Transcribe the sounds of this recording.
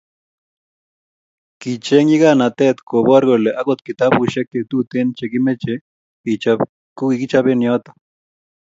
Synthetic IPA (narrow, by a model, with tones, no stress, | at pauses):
ki˨t͡ʃe˦ŋji˦ɡa˦na˨t̪ɛ˦t̪ko˨ba˦ɾɡo˨le˨ʔa˦ɡot̪̚ki˨t̪a˦bu˨ʃe˦kːe˨t̪u˦t̪e˦nt͡ʃe˨ki˦me˦t͡ʃe | ia | ku˦i˨ki˦t͡ʃa˦be˦njɔ˦t̪ḁ˨